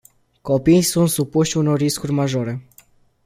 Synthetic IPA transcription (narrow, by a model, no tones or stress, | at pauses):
ko̞pijsunt̪supuʃuno̞rːiskurʲmaʒo̞ɾe̞